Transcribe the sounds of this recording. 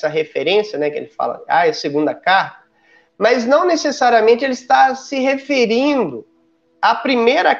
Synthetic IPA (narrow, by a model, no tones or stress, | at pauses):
sɐɦefeɾẽsjɐnɛkɪḛlɪfa̰lɐ̰a̰ɛseɡũnd̪ɐkaɾt̪ɐ̥ | mɐznɐ̃w̃nesesaɾiɐmẽnt͡ʃɪelɪst̪asɪɦefeɾĩnd̪ʊ | apɾimejɾɐ